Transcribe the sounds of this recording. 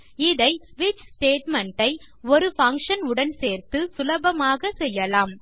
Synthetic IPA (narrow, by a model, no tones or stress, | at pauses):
ɪðɐɪsʋiːt͡ʃsʈeːʈmɛɳʈɐɪ | ɔɾɯfɐŋkʂɐnʊɽɐnseːɾt̪ɯsʊlɐbɐmaːɣɐsɛjːɐlaːm